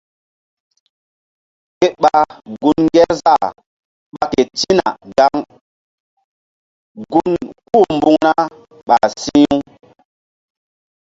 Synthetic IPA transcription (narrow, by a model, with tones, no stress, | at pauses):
ke˦ɓa˨ɡu˦nŋɡɛ˦ɾza˦˨ | ɓa˨˦ke˨ti˦na̰˨ɡa˦ŋ | ɡu˦nku˦˨mbu˦ŋna˦ | ɓa˨sĩ˦u˦